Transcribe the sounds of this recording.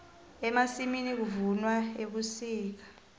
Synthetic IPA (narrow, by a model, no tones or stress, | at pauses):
ɛmasiminik̬uvunwaeɓusiːk̬ḁ